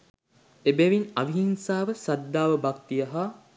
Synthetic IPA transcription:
ebeʋinaʋiɦinsaːʋəsad̪ːaːʋəbak̚t̪ijəɦa

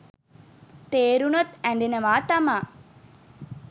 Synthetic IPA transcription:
t̪eːɾunot̪ɐɳɖinɐʋaːt̪ɐmaː

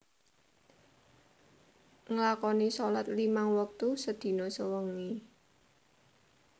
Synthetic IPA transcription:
ŋəlakɔnisɔlat̪limaŋwək̚t̪usəd̪̥i̤nɔsəwəŋi

